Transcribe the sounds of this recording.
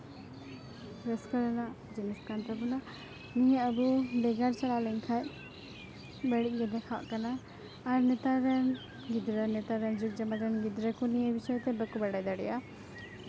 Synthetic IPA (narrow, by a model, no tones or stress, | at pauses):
ɾəskəɾəna | d͡ʒiniskant̪əbuna | nijəəbuɖɛɡaɾt͡ʃalalɛŋkʰaj | bəɽic̚ˀɡɛd̪ɛkʰawa̰ʔkanaː | ɾnɛt̪aɾɛn | ɡid̪ɾənɛt̪aɾɛnd͡ʒuk̚d͡ʒamad̪ɛnɡid̪ɾəkunijɛbisəjt̪ɛbəkubaɽajd̪aɽɛja